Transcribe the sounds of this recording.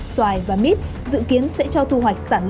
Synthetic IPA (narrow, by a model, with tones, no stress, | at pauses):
swaː˨˩jvaː˨˩mi˦˥t̚ | zɨ̰˧˨ki˨˦ənsɛ̰˧˥t͡ɕɔ˧wt̪ʰu˧ɦwa˨˩jk̟̚saː˧˩nl